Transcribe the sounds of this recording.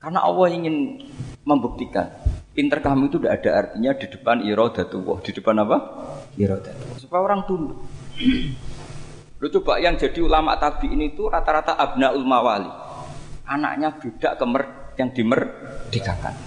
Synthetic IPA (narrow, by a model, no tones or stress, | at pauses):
karna̰ʔɔ̰wɔhiŋɪnməmbuk̚t̪ika̰nint̪ərkaɦmiit̪undaʔːd̥aʔart̪iɲad̥i̤d̥ə̤paniɾɔd̪̥a̤t̪uwɔ̰hd̥i̤d̥əpanapaiɾɔd̪̥at̪uwɔsupajaoɾaŋt̪undu | lot͡ʃub̥aʔjaŋd͡ʒa̤d̥iulama̰ʔt̪ab̥iʔniːt̪uɾat̪aɾat̪aʔab̥̚naʔulmawalḭ | ʔana̰ʔɲab̥e̤d̥aʔkəmər | jaŋd̥imər | d̥ikaka̰n